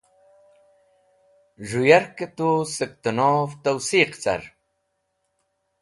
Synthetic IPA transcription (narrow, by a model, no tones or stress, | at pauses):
ʐujaɾkət̪usək̚t̪ənoft̪awsiːqt͡sɐ̰ɾ